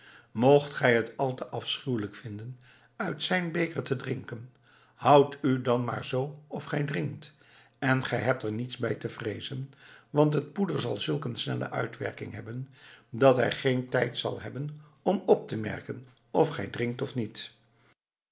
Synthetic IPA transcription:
mowχtχɛjɦətɑlˠtəʔɑfsχywləkfɪndən | œɥtsɛjnbejkəɹtədrɪŋkən | hɑwtydɑnma̰ːɹzowɔfχɛjdrɪŋkt | ɛnχɛjɦɛp̚tɛɹnitsbɛjtəvrejzənʋɑntɦət̚pudəɹzɑ̰lˠzɵlˠkənsnɛ̰lə̰ʔœ̰ɥtʋɛ̰ɹkɪ̰ŋɦɛbəndɑtɦɛ̰jχejntɛjtsɑ̰lˠɦɛbən | ɔmɔp̚təmɛ̰ɹkən | ɔfχɛ̰jdrɪŋk̚tɔfnit

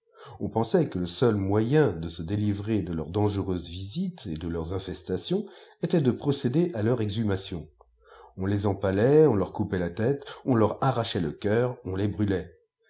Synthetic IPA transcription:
ɔ̃pɑ̃sɛkələsœlmwajɛ̃d̪əsəd̪elivʁed̪əlœʁd̪ɑ̃ʒəʁøzvizit̪ed̪əlœʁzɛ̃fɛst̪asjɔ̃et̪ɛd̪əpχɔsed̪eʔalœʁɛɡzymasjɔ̃ | ɔ̃lezɑ̃palɛɔ̃lœʁkupɛlat̪ɛt̪ɔ̃lœʁaʁaʃɛləkʲœʁɔ̃lɛbʁylɛ

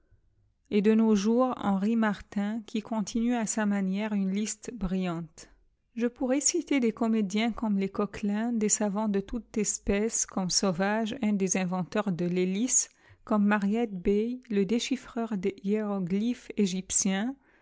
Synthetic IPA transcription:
ed̪ənoʒuʁɑ̰̃ʁimaʁt̪ɛ̃kʰʲikʰɔ̃t̪ʰinyasamanjɛʁynlist̪bʁijɑ̃t̪ | ʒəpuʁɛsit̪ed̪ekɔmed̪jɛ̃kɔmlekɔklɛ̃d̪esavɑ̃d̪ət̪ut̪ɛspɛskɔmsovaʒɛ̃d̪ezɛ̃vɑ̃t̪œʁd̪əlelis | kɔmːaʁjɛt̪̚bɛjləd̪eʃifχœʁd̪eieʁɔɡlifeʒipsjɛ̃

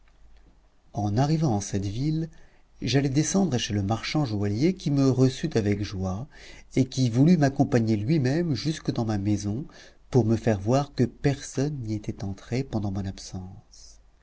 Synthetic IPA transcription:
ɑ̃naʁivɑ̃ɑ̃sɛt̪vil | ʒalɛd̪esɑ̃d̪ʁəʃeləmaʁʃɑ̃ʒwaljekʲiməʁəsyt̪avɛkʒwaekʲivulymakɔ̃paɲelɥimɛmʒyskəd̪ɑ̃mamezɔ̃ | puʁməfɛʁvwaʁkəpɛʁsɔnːiet̪ɛt̪ɑ̃t̪χepɑ̃d̪ɑ̃mɔ̃napsɑ̃s

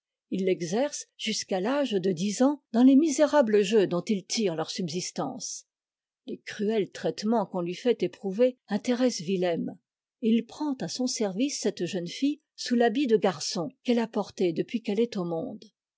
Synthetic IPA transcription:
ilːɛɡzɛʁsʒ̥yskalaʒd̪əd̪izɑ̃d̪ɑ̃lemizeʁabləʒød̪ɔ̃t̪ilt̪iʁlœʁsybzist̪ɑ̰̃s | lekχyɛlt̪χɛt̪mɑ̃kɔ̃lɥifɛt̪epχuveɛ̃t̪eʁɛsvilɛm | eilpχɑ̃t̪asɔ̃sɛʁvisːɛt̪ʒənfij | sulabid̪əɡaʁsɔ̃kɛlapɔʁt̪ed̪əpɥikɛlɛt̪omɔ̃d̪

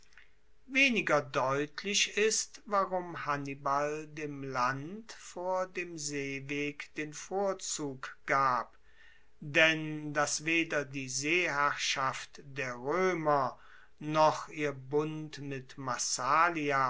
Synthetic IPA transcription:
veːnɪɡɐdɔʏtʰlɪʃɪstvaʁʊmhanibaldeːmlantfoːɐdeːmzeːveːkd̥eːnfoːɐt͡suːkɡ̥aːp | d̥ɛndasv̥eːdɐdiːzeːhæʁʃaftd̥eːɐʁøːmɐ | nɔχʔiːɐbʊntmɪtmasaːlia

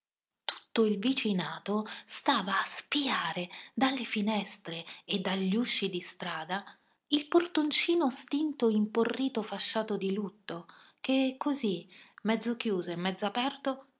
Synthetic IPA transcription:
t̪u̥t̪ːoilvit͡ʃinaːt̪ost̪aːvaːspiaːɾed̪alːefinɛst̪ɾeːd̪ːaʎːuʃːid̪ist̪ɾaːd̪a | ilport̪ont͡ʃiːnost̪int̪oimporːiːt̪ofaʃːaːt̪od̪ilut̪ːok̟ekʰːozimɛd̪zːok̟juːzoemːɛd̪zːapɛrt̪o

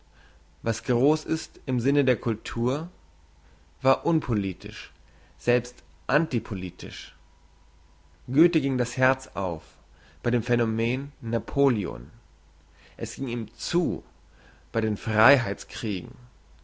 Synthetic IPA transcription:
vasɡ̥ʁoːsɪstɪmzɪnədeːɐkʰʊltʰuːɐ | vaːɐʔʊnpʰoliːtʰɪ̰ʃ | z̥ɛlpst | ʔantipʰoliːtʰɪ̰ʃ | ɡ̥øːtəɡɪŋdashɛɐt͡sʔa̰ʊf | b̥aɪdeːmfɛnomeːnːapʰoːlio̰n | ʔɛsɡ̥ɪŋiːmt͡suː | b̥aɪɾeːnfʁ̥aɪɦaɪt͡skʁ̥iːɡŋ̩

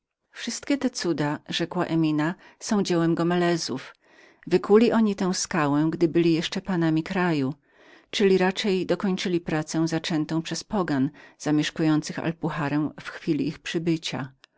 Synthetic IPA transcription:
fʂɘst̪kʲɛt̪ɛt̪sud̪aʐɛkwaʔɛmʲinasɔ̃w̃d͡ʑɛwɛmɡɔmɛlɛzuf | vɘkulʲiʔɔɲit̪ɛ̃w̃skawɛ̃ɡd̪ɘbɘlʲijɛʂt͡ʂɛpanamʲikɾaju | t͡ʂɘlʲiɾat͡ʂɛjd̪ɔkɔɲt͡ʂɘlʲipɾat̪sɛ̃zat͡ʂɛnt̪ɔ̃w̃pʂɛspɔɡanz̥amʲjɛʂkujɔnt̪sɘxa̰lpuxaɾɛmfxfʲilʲiixpʂɘbɘt͡ɕa̰

